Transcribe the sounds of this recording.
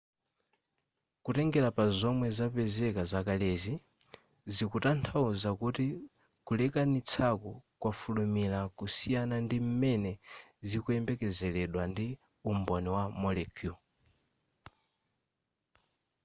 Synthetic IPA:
kutɛŋɡɛlapazɔmwɛzapɛzɛkazakalɛzi | zikutantʰauzakuti | kulɛkanit͡sʰakukwafulumilakusijanandim̩mɛnɛzikuɛmbɛkɛzɛlɛɗwandi | umbɔniwamɔlɛkʰju

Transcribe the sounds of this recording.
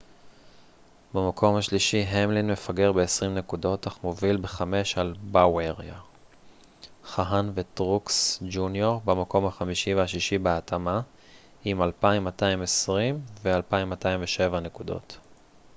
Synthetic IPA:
bemakʰo̞mhaʃliʃiɦemlinme̞faɡe̞ʁbeesʁimne̞kudo̞taχmovilbeχame̞ʃalbaweʁa | χaɦanvetʁuksd͡ʒunjoʁbemako̞mhaχamiʃiveaʃiʃibeatʰama | imalpaimːataimesʁimvealpaimːataimveʃe̞vane̞kudo̞̰t

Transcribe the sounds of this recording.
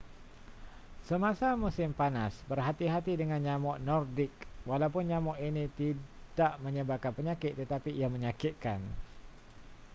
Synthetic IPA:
səmãsamusɪmpanasbərɦat̪iɦat̪idəŋanɲamɔʔnɔrdɪkwalawpʊnɲamɔʔinit̪idaʔməɲəbakanpəɲakɪt̪̚ːət̪apiiaməɲakɪt̪̚kan

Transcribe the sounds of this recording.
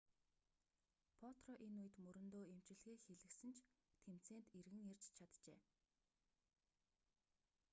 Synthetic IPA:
pʰɔt̪rɔʔenujɘ̆t̪mɵɾɵ̆nt̪oːem̥t͡ɕɪ̆ɮxeːxeɮɘ̆ksɘ̆nt͡ɕʰt̪ʰem̥t͡seːnt̪erɣɘ̆ŋert͡ɕt͡ɕʰat̪t͡ɕḛː

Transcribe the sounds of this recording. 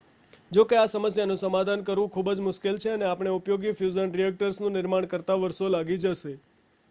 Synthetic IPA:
d͡ʒokeasəməsjanũsəmad̪ʱankəɾʋũkʰubd͡ʒmʊʃkelt͡ʃʰeəneapɳ̃eupjoɡifjuzənɾijek̚ʈəɾsnũnɪɾmaɳkəɾt̪aʋəɾʃolaɡid͡ʒəʃe

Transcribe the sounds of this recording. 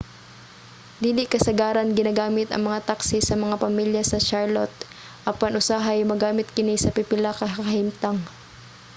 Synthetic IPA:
d̪iːlɪʔkɐsɐɡaːɾɐnɡɪnaːɡaːmɪt̪ɐ̰ŋmɐŋat̪aksɪsɐmɐŋapɐmiljɐsɐʃaɹlot̪̚ | ʔɐpɐnʔʊsaɦɐjmɐɡaːmɪt̪̚kɪnisɐpɪpɪlakɐɐhimt̪aŋ

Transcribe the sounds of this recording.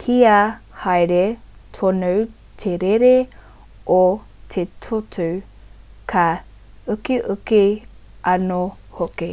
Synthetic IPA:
kʰiahɐjɾetʰonəw | tʰeɾeɾe | ʔo | t̪ʰetʰotʰu | kʰa | əkiʔəki | ɐno | hoke

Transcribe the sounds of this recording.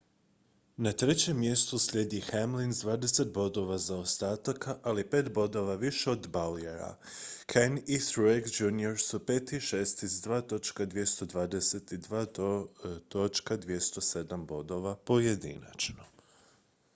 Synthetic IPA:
nat̪ɾe̞t͡ɕe̞mːje̞st̪usʎʲe̞d̪ixemlinzd̪ʋaːd̪e̞se̞t̪̚bo̞d̪o̞ʋazaost̪aːt̪akaʔalipe̞ːt̪bo̞d̪o̞ʋaʋiʃeo̞d̪balijeɾa̰ | kʰeniθɾuekd͡ʒunio̞ɾsupe̞ːt̪iʃest̪izd̪ʋaːt̪o̞t͡ʃkad̪ʋjest̪o̞d̪ʋaːd̪ese̞t̪id̪ʋaː | t̪o̞t͡ʃkad̪ʋje̞st̪o̞se̞d̪ambo̞d̪o̞ʋapo̞je̞d̪ḭna̰t͡ʃno̥

